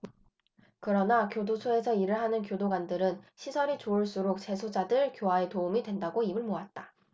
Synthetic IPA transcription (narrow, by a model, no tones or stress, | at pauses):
kɯɾʌnakjodosʰoe̞sʰʌiɾɯɭɦanɯnkjodoɡwandɯɾɯnɕʰisʰʌɾit͡ɕoːɭs͈uɾok̚t͡ɕe̞sʰod͡ʑadɯɭkjoɦae̞toumidwe̞ndaɡoibɯɭmoat̚t͈a